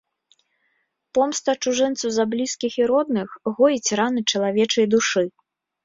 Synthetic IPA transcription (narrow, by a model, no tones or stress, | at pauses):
pɔmst̪ɐt͡ʂuʐɛnt̪sɐwzɐblʲiskʲixiɾɔd̪̚nɨxɣɔjit͡sʲɾanɨt͡ʂɐlˠavʲɛt͡ʂɐjd̪uʂɨ